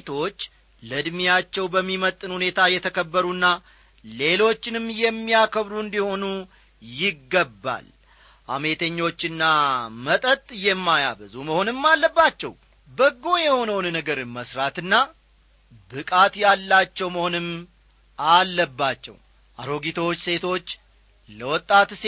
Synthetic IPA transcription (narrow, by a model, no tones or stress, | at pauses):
t̪ʰo̞t͡ʃː | ləd̪mijat͡ʃːɛwbəmːimət̪ʼːɨnhune̞t̪ʰajɛt̪ʰəkʰəbːəɾunːa | le̞lo̞t͡ʃːɪnɨmjɛmːijakʰəβɾuɨnd̪iho̞nu | jɪɡːəbːa̰l | ʔa̰me̞t̪ʰəɲːo̞t͡ʃːɨnːamət̪ʼət̪ʼjɛmːaja̰βəzuməho̞nɨmːalːəbːat͡ʃːɛw | bəɡːo̞jɛho̞nəwnnəɡəɾməsɾat̪ɨnːa | bɨkʼat̪jalːat͡ʃːɛwməho̞nɨm | ʔalːəbːat͡ʃːɛ̰w | ʔa̰ɾoɡit̪ʰot͡ʃːse̞t̪ʰo̞t͡ʃː | ləwɔt̪ʼːat̪s